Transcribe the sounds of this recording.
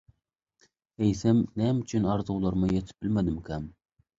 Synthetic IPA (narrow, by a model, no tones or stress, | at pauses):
ejsɛmnɛmyt͡ʃʰynɑɾzuwlˠɑɾmɨjet̪ʰɪ̥p̚b̥ɪlmɛd̪ɪmkʲʰɛm